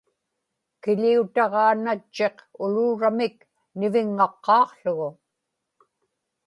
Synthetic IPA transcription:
kɪʎiut̪ɑʁɑːnat͡ʃːe̞qʊluːɻamɪk | nɪvɪŋːɑqːɑːqɬʊɣʊ

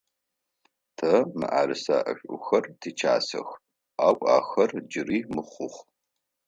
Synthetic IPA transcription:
tʰɐmɨ̰ʔaːɾɨsaʔɐɕʷʼʊxɐrtʰiːt͡ʃʰaːsɐ̰x | aːkʷʼa̰ːxɐrd͡ʒɪriːmɨχʷʊχʷ

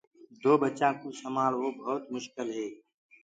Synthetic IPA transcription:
d̪oːbət͡ʃãːkuːsəmaːlʋoːbʱɔːt̪mʊʃkɪlɦeː

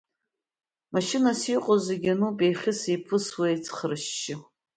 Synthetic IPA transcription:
maʃɪnasiqʷʼozeɡʲanupʼejχʲɪsipʰɨswajt͡sʰχrɨʃːɪ

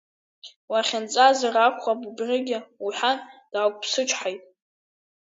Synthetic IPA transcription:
waχʲɪnt͡sʼazarakʷʰχabubrʲɪɡʲɪuħand̥aːkʷʼpʰsɨt͡ʃʷʰʼħajtʼ

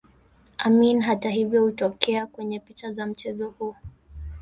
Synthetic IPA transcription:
ʔaminɦataɦivjɔhutɔkɛakwɛɲɛpit͡ʃazam̩t͡ʃɛzɔhuɔ

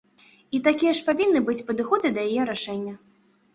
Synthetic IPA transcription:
it̪akʲijɐʂpavʲinːɨbɨt͡sʲpɐd̪ɨxɔd̪ɨd̪ɐjajɛɾaʂɛnʲːɐ

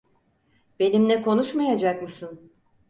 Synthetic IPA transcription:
b̥e̞nimlɛkʰo̞nuʃmajad͡ʒak̚mɯsɯn

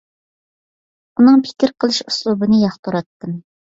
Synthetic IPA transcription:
unɨŋpʰɪ̥kʲɪɾqʰəlˠɨʃu̥slˠubɨnɨjɑχt̪ʰuɾɑt̪ːɨm

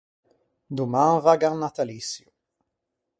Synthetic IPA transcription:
d̪umãnvaɡanat̪alisju

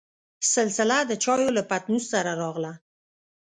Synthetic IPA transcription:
sɪlsɪlad̪ət͡ʃɑjolapat̪nussaɾaɾɑɣla

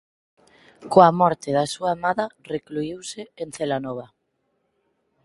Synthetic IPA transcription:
koamɔɾt̪ɪðasuaemaðɐrekluiwseenθelanɔβ̞ɐ

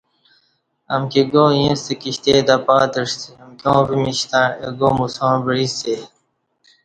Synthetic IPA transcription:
ɐ̰mkiɡoːjĩst̪ekiɕt̪ed̪apaːt̪əʂt̪iɐmkʲõːbimiɕt̪ãːeɡoːmusõːbəɾist̪e

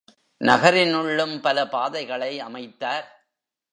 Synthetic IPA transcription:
nɐɣɐɾɪnʊɭːɯmpɐlɐpaːðɐɪɣɐɭɐɪɐmɐɪt̪ːaːɾ

